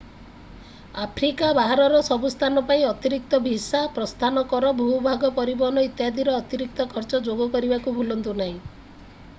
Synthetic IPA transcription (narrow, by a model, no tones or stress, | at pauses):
apʰɾikabaɦaɾɔɾɔsɔbust̪ʰanɔpaĩɔt̪iɾik̚t̪ɔbʱisapɾɔst̪ʰanɔkɔɾɔbʱuɦubʱaɡɔpɔɾibɔɦɔnɔit̪jad̪iɾɔːt̪iɾik̚t̪ɔkʰɔɾt͡ʃɔd͡ʒoɡɔkɔɾibakubʱulɔnt̪unaɦĩ